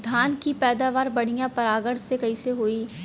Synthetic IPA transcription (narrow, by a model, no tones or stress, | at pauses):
d̪ʱaːnkipɛːd̪aːʋaːɾbɐɽ̤ijãpɐɾaːɡəɽsekɐiseɦoːiː